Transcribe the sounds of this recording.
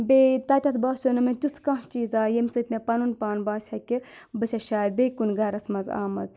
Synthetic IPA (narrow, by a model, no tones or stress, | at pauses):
bʲet̪ɐt̪ʲɐt̪ʰbaːsʲonɐmɐt̪ʲut̪ʰkɐ̃ɦt͡ʃiːzaːjemsɨt̪ʲmepɐnunpaːnbaːsʲhɐki | bɨsʲʰɐʃaːjd̪̚bʲekunɡɐɾɐsmɐza̰ːmɐz